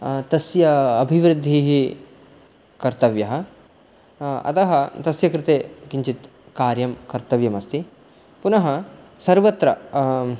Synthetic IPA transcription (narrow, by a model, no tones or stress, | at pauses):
t̪ɐsjɐɐbʱiʋɾɨd̪ʱːiɦi | kɐɾt̪ɐʋjɐɦɐ̆ | ɐ̰t̪ɐɦɐt̪ɐsjɐkɾɪt̪eːkiɲt͡ʃit̪ | kaːɾjɐmkɐɾt̪ɐʋjɐmɐst̪ʰi | punɐɦɐsɐɾʋɐt̪ɾɐ